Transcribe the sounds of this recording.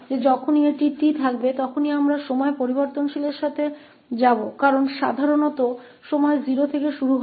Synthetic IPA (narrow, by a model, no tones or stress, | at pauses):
d͡ʑed͡ʑɔkʰonieʈiʈit̪ʰakbet̪ɔkʰoniamɾaʃɔmɔepoɾiboɾt̪onʃileɾʃat̪ʰe | d͡ʑabokaɾonʃa̰d̪ʱaɾonɔt̪o | ʃɔmɔeziɾot̪ʰekeʃuɾuɦ